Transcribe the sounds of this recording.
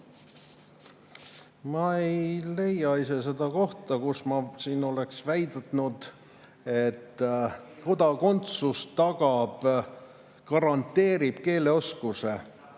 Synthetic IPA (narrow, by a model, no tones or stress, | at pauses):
mɑe̞jle̞jɑise̞s̬e̞d̪̥ɑko̞ht̪ɑkusmɑsiːno̞le̞ksvæjd̪ɑt̪nud̪̥ | et̪ːko̞d̪̥ɑko̞nt̪sust̪ɑɡ̥ɑb̥ | kɑɾɑnt̪ːe̞ːɾib̥ke̞ːle̞o̞skuse̞